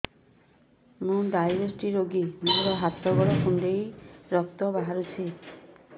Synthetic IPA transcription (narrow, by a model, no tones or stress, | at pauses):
mũɖajɾɔsʈiɾoɡimuɦɔɾɔɦat̪ʰɔɡɔɾɔkʰuɳɖejɾɔk̚t̪ɔbaɦaɾut͡ʃʰi